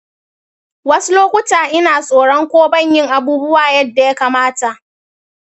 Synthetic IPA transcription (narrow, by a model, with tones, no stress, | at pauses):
wɐ˦su˦loː˦kʷʊ˦taː˨ʔɪ˦naː˨sʼoː˨ɽɔ˦ŋkʷoː˦bɐ˦˨ɲjɪ˦ŋʔa˨buː˦bʊ˦waː˨jɐ˦dːa˨ja˦kaː˨maː˦ta˨ʔ